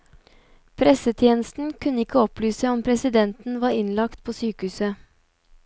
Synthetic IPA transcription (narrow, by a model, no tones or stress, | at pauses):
pʰɾɛsət̪ʰjeːnəst̪n̩kʰʉnəɪkʰəɔplyːsəɔmpʰɾɛsɪd̪ɛnt̪n̩ʋɑːɾɪnlɑkt̪pʰoːsyːkəhʉːsə